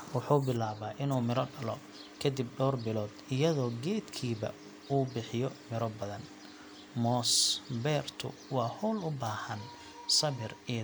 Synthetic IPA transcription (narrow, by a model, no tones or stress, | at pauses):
wɑħuːbɪlaːβaːʔɪnuːmɪɾɔɖɐlɔ̰ | kʰɐd̪ib̚ɖɔːrbɪlɔːd̪̥ɪjɐðɔːɡɛːd̪kʰiːβɐ̰ | uːbɪħɪjɔmɪɾɔbɐðɐn | mɔːsbɛːrt̪ʰʊ̰ | wɑːhɔlʊbaːhɐn | sɐβɪri